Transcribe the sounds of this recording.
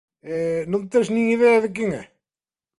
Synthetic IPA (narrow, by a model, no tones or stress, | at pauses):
ɛnɐ̃w̃t̪ẽʒnĩŋiðɛɐðɨk̬ẽŋɛ̰